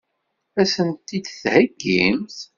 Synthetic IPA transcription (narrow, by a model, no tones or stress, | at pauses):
æsənt̪ːid̪θhəɡːimθ